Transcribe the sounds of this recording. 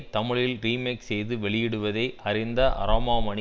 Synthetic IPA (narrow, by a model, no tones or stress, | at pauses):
t̪ːɐmɪɻɪlriːmeːksɛjðɯʋɛɭɪjɪɽɯʋɐðɐɪʔɐɾɪnd̪ɐʔɐ̰ɾaːmaːmɐɳ